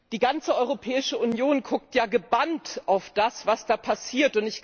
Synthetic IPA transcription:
d̥iːɡant͡səʔɔʏʁopʰɛːɪʃəʔʊnjoːnkʰʊk̚tjaːɡəbantʔaʊfd̥asv̥asd̥aːpʰasiːɐtʊntɪç

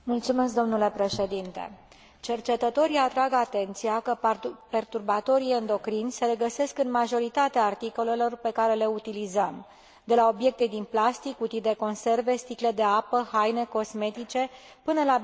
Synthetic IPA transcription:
mult̪sume̞skd̪o̞mnule̞pɾe̞ʃe̞d̪int̪e̞̰ | t͡ʃe̞rt͡ʃe̞t̪ət̪o̞ɾijat̪ɾaɡat̪e̞nt̪sijakəpe̞rt̪urbat̪o̞ɾiend̪o̞kɾinʲse̞le̞ɡəse̞skɨnmaʒo̞ɾit̪at̪eaːrt̪iko̞le̞lo̞rpe̞kaɾe̞le̞ut̪ilizəm | d̪e̞lao̞bje̞k̚t̪ed̪inplast̪ikut̪it̪̚d̪e̞ko̞nse̞rve̞st̪ikle̞d̪e̞apəhajne̞ko̞sme̞t̪it͡ʃe̞ | pɨnəla

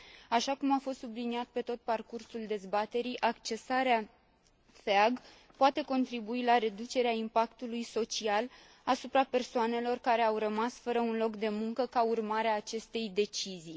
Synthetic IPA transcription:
aʃakumafo̞st̪subliniat̪̚pe̞t̪o̞t̪̚parkursuld̪e̞zbat̪e̞ɾiʔakt͡ʃe̞saɾea | feaɡ | poat̪e̞ko̞nt̪ɾibuilaɾe̞d̪ut͡ʃe̞ɾeaimpakt̪ulujso̞t͡ʃial | asupɾape̞rsoane̞lo̞rkaɾe̞awrəmasfəɾəunlo̞kd̪e̞muŋkəkaurmaɾeaːt͡ʃe̞st̪e̞jd̪e̞t͡ʃizij

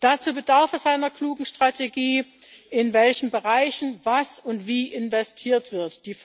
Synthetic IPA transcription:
d̥aːt͡suːbədaɐfɛz̥aɪnɐkl̥uːɡŋ̩ʃtʁ̥atʰeɡiː | ʔɪnvɛlçn̩bəʁaɪçn̩vasʊntv̥iːʔɪnvɛstʰiːɐtv̥ɪɐtd̥iːf

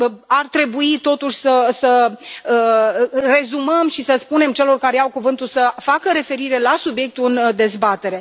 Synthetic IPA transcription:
art̪ɾe̞buit̪o̞t̪uʃʲsəsəəre̞zuməmʃisəspune̞mt͡ʃe̞lo̞rkaɾeawkuvɨnt̪usəfakəɾe̞fe̞ɾiɾe̞lasubje̞k̚t̪uɨnd̪e̞zbat̪e̞ɾe̞

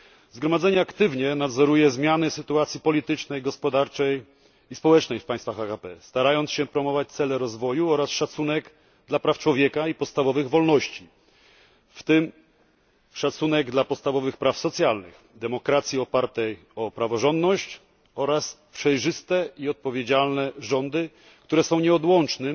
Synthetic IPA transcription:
zɡɾɔmad̪zɛɲɛakt̪ɘvɲɛnad̪zɔɾujɛzmʲjanɘsɘt̪uat̪sʲjipɔlʲit̪ɘt͡ʂnɛjɡɔspɔd̪aɾt͡ʂɛj | ispɔwɛt͡ʂnɛjfpaj̃st̪faxakapɛst̪aɾajɔnt̪sɕɛpɾɔmɔvat͡ɕt̪sɛlɛɾɔzvɔjuɔɾasʂat̪sunɛɡ | d̪lapɾaft͡ʂwɔvʲjɛkaipɔt̪st̪avɔvɘɣvɔlnɔɕt͡ɕi | ft̪ɘm | ʂat̪sunɛɡd̪lapɔt̪st̪avɔvɘxpɾafsɔt̪sʲjalnɘ̰x | d̪ɛmɔkɾat̪sʲjiɔpaɾt̪ɛj | ɔpɾavɔʐɔnd̪nɔɕt͡ɕ | ɔɾaspʂɛjʐɘst̪ɛiɔt̪̚pɔvʲjed͡ʑalnɛʐɔnd̪ɘ | kt̪uɾɛsɔ̃w̃ɲɛɔd̪wɔnt͡ʂnɘ

